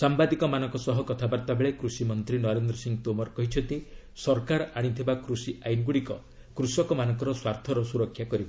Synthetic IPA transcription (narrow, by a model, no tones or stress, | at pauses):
sambad̪ikɔmanɔ̃ŋkɔsɔɦɔkɔt̪ʰabaɾt̪abeɭekɾusimɔnt̪ɾinɔɾend̪ɾɔsiŋt̪omɔɾkɔɦit͡ʃʰɔnt̪i | sɔɾkaɾaɽ̃it̪ʰibakɾusiʔajnɡuɽikɔ̰ | kɾusɔkɔmanɔŋkɔɾɔswaɾt̪ʰɔɾɔsuɾɔkʰːjakɔɾiba